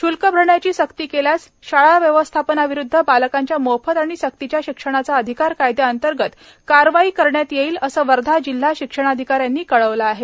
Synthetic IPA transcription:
ɕulkəbʱɾəɳjat͡ɕiːɕəkt̪iːkeljat͡s | ɕaɭaʋjəʋəst̪ʰapənaʋiɾud̪ʱːəbaləkaɲt͡ɕjamofət̪aɽ̃iɕək̚t̪it͡ɕjaɕikʂəɽ̃at͡saəd̪ʱikaɾkajd̪jaənt̪əɾɡət̪ | kaɾʋaiːkəɾɳjat̪jeiːləsəːʋəɾd̪ʱad͡ʑil̤ːaɕikʂəɽ̃ad̪ʱikaɾjanːiːkəɭəʋlaːɦe

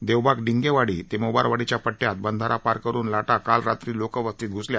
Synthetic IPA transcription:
d̪ewbʱakɖiŋɡeʋaɽḭt̪emoba̰lʋaɽit͡ɕjapəʈːjat̪̚bənd̪ʱaɾapaɾkəɾuːnlaʈakalɾat̪ɾiːlokəʋəst̪iːt̪̚ɡʱuslja

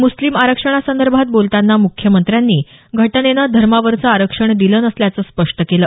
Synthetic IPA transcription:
muslimaɾəkʂəɳ̃asənd̪əɾbʱat̪̚bolt̪anːamukʰjəmənt̪ɾjanːiːɡʱəʈnenad̪ʱəɾmaʋəɾt͡səaɾəkʂəɳd̪ilənəsljat͡səːspəʂʈəkeləː

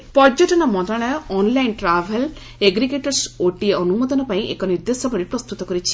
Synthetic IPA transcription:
pɔɾd͡ʒɔʈɔnɔmɔd̪aɽ̃ɔjɔɔnlainʈɾabʱel | eɡɾikeʈɔɾsoʈieɔnumɔd̪ɔnɔpaĩʔekɔniɾd̪esɔbɔɽipɾɔst̪ut̪ɔkɔɾit͡ʃʰi̥

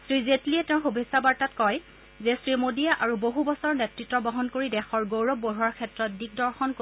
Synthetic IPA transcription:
tijzetliɛtɛ̃ʊ̃xubʱisabaɹtatkɔj | zɛsɹimodiaʔaɹuboɦubɔsɔɹnetɹitːɔbɔɦɔnkoɹidɛxɔɹɡowɹɔp̚boɦaɹkʰɛtɹɔt̚dik̚dɔɹxɔnko

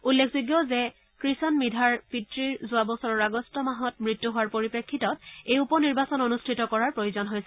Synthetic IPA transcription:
ulːekʰziɡjɔzɛ | kɹisɔnmidʱaɹpitɹiɹzʊabɔsɔɹɔɹaɡɔstɔmaɦɔtmɹitːuɦʊaɹpoɹipɹekʰːitɔt̚ejupɔniɹbasɔnonustʰitɔkɔɹaɹpɹojuzɔnɦojsɛ

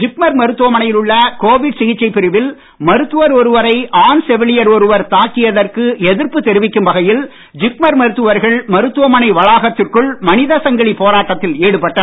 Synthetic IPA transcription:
d͡ʒɪpmɐɾmɐɾɯt̪ːɯʋɐmɐnɐjɪlɯɭːɐkoːʋɪɖsɪɣɪt͡ʃːɐɪpːɪɾɪʋɪl | mɐɾɯt̪ːɯʋɐɾɔɾɯʋɐɾɐɪʔaːnsɛʋɪlɪjɐɾɔɾɯʋɐɾt̪aːkɪjɐðɐrkɯɛðɪɾpɯt̪ɛɾɪʋɪkʲːɯmʋɐɣɐjɪl | d͡ʒɪpmɐɾmɐɾɯt̪ːɯʋɐɾɣɐɭmɐɾɯt̪ːɯʋɐmɐnɐɪʋɐɭaːɣɐt̪ːɪrkɯɭmɐnɪðɐsɐŋɡɐɭipːoːɾaːʈːɐt̪ːɪleːɽɯpɐʈːɐ

